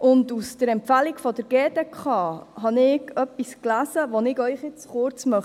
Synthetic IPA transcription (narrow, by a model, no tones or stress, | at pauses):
ʔʊndusd̥əɾɛmpfælikfɔdəɾɡ̥eːdekχɑːɦɑnɪːɡœpːisklæːsəʋonɪɡœʏχjɪt͡sχʊɾt͡smœχ